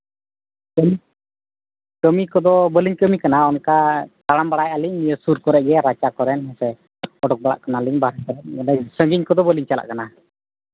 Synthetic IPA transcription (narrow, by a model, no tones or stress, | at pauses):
kəmi | kəmikɔd̪ɔbəliɲkəmikanaɔnkat̪aɽambaɽajʔaliɲmijəsuɾkɔɾɛʔɡɛɾat͡ʃakɔɾɛnɦɛsɛ | ɔɖɔk̚baɽa̰ʔkanaliɲbaɾɛkɔɾɛnɛsəŋɡiɲkɔd̪ɔbəliɲt͡ʃala̰ʔkana